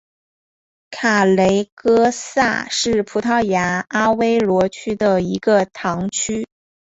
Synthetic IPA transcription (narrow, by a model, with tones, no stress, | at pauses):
kʰa˨˩le˧˥ɪkɤ˥sa˥˩ʂɻ̩˥˩pʰu˧˥t̪ʰɑ˥˩ʊja˧˥a˥we˥ɪlwɔ˧˥t͡ɕʰy˥d̪ə˨i˧˥ɡə˧t̪ʰɑ˧˥ŋt͡ɕʰy˥